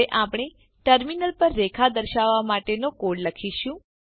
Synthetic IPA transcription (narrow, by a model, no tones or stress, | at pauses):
eʔapɳ̃e | ʈəɾminəlpəɾːekʰad̪əɾʃaʋːamaʈenokoɽləkʰiʃũ